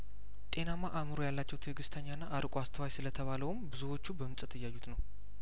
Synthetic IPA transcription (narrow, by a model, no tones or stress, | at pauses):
t̪ʼe̞namaʔamɨɾojalːat͡ʃːɛwt̪ʰəɡɨst̪ʰəɲːanːaʔːɾkʼuast̪ʰəwajsɨlət̪ʰəβaləwumbɨzuwo̞t͡ʃːubəmɨnsʼɨt̪ʰɨjːajːut̪nəw